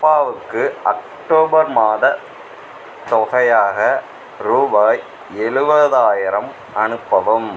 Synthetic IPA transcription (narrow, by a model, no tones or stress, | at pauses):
pːaːʋɯkːɯɐk̚ | ʈoːbɐɾmaːðɐ | t̪ɔɣɐjaːɣɐ | ɾuːbaːj | ɛɻɯʋɐðaːjɪɾɐm | ɐnɯpːɐʋɯm